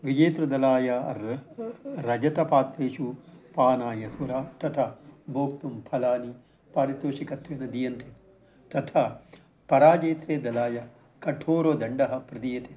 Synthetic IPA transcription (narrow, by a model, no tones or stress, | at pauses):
ʋid͡ʒeːt̪ɾɐd̪ɐlaːjɐ | ɾɐd͡ʒɐt̪ɐpaːt̪ɾeːʃupaːnaːjɐt̪ʰuɾaːt̪ɐt̪ʰɐbʱoːk̚t̪umpʰɐlaːni | paːɾit̪oːʃikɐt̪ʋeːnɐd̪ijɐnt̪ʰe | t̪ɐt̪ʰɐ | pɐɾaːd͡ʒeːt̪ɾeːd̪ɐlaːjɐ | kɐʈʰoːɾoːd̪ɐɳɖɐɦɐpɾɐd̪ijɐt̪ʰe